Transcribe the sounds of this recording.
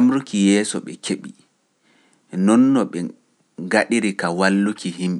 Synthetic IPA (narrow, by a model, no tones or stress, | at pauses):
amɾukijɛːsɔ̰ɓɛkʰeɓi | nɔnːɔɓɛ | ŋɡaɗiɾikawalːukiɦimɓɛ